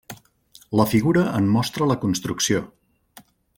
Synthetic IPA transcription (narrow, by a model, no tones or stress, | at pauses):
ləfiɣuɾəəmmɔst̪ɾələkunst̪ɾuksio